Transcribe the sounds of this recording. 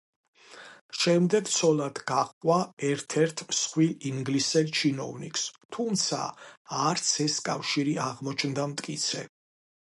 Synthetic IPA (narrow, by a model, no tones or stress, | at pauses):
ʃɛmd̪ɛɡt̪sʰɔlad̪ɡaχqʼwaɛɾt̪ʰɛɾt̪ʰsχwiliŋɡlisɛlt͡ʃʰinɔ̰vnikst̪ʰumt̪sʰa̰aɾt̪sʰɛskʼafʃiɾiaʁmɔt͡ʃʰnd̪amt̪ʼkʼit̪sʰɛ̰